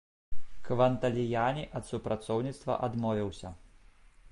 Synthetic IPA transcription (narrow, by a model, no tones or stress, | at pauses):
kʋɐnt̪ɐlʲɪjaːnʲiʔɐt̪sʊpɾɐt̪sɔʊnʲit̪st̪ʋɐ̰ʔɐd̪mɔːʋʲɛwsʲɐ